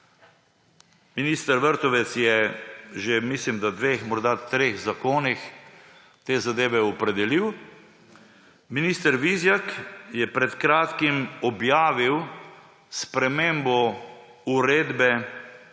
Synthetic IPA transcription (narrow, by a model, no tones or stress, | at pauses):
miniːst̪əɾʋəɾt̪ɔʋɛt̪sjɛʒemislimd̪ad̪ʋeːxmɔɾd̪at̪ɾeːxzakoːnix | t̪eːzad̪eːʋɛɔpɾɛd̪ɛliw | miniːst̪əɾʋizjakjɛpɾɛt̪kɾaːt̪kimɔbjaːʋiw | spɾɛmeːmbɔ | uɾeːd̪bɛ